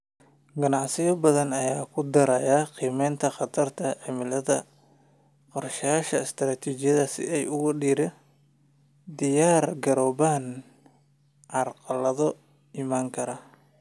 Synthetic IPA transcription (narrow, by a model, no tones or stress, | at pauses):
ɡɐnɑʕsɪjɐbɐðɐnɐjaːkʰʊd̪ɐɾɐjaːqiːmɛjnt̪ʰɐχɑt̪ʰɐrt̪ʰɐʕɪmɪlɐðɐ | qɔrʃɐjaːʃɐɪst̪ʰɾaːt̪ʰiːt͡ʃɪjɐðɐsɪ̰ɛjʊɣʊɖiːɾɛ | d̪ɪjaːrɡɐɾɔːβaːn | ʕɑrqɑlɐðɔ | ɪmaːŋkʰɐɾa